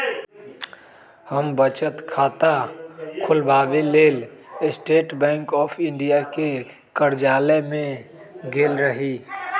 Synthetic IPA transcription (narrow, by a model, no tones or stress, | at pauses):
həmbət͡ʃət̪kʰaːt̪akʰʊlbaːbeleːlɪsʈeːʈbɛ̃ːŋkɔːpʰɪ̃ɳɖijake | kəɾd͡ʒaːlemẽ | ɡeːlɾəɦi